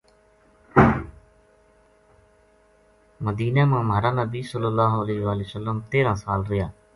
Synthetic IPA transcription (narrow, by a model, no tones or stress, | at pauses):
məd̪iːnaːmãːmɦaːɾaːnəbiːsəlːəlːaːɦəleːɦʋaːlesəlːəmt̪eːɾãːsaːlɾɪjaː